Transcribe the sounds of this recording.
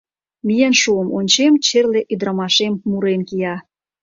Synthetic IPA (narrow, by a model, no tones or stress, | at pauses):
mijənʃuəmonʲt͡ɕemt͡ɕerleʔyd̪ɾəmɑʃemmuɾenkijɑ